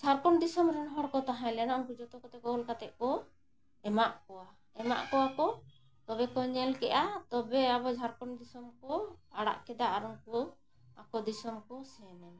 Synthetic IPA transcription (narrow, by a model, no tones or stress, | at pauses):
d͡ʒʱaɾkɔnd̪isɔmɾɛnɦɔɽkɔt̪aɦãjlɛnaumkud͡ʒɔt̪ɔkɔt̪ɛkɔɔlkat̪ɛʔ̪̚kɔ | ɛmaʔkɔwa | ɛma̰ʔkɔakɔ | t̪ɔbɛkɔɲɛlkɛʔat̪ɔbɛabɔd͡ʒʱaɾkɔɳd̪isɔmkɔaɽa̰ʔkɛd̪aʔaɾɔŋkɔ | akɔd̪isɔmkɔsɛnɛ